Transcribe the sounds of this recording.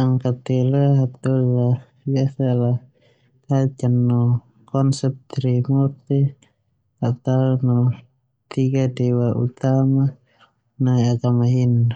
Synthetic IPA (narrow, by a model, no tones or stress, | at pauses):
aŋkat̪ɛlaɦat̪ula | biasala | t̪at͡ʃanːɔ | kɔnsɛp̚t̪ɾimut̪i | at̪awnɔ | t̪iɡadɛwaʔṵt̪ama | naiaɡamaɦin